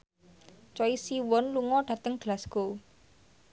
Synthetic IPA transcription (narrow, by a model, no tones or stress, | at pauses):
t͡ʃɔisiwɔnluŋɔɖ̥ä̤t̪əŋɡ̥lasɡ̥o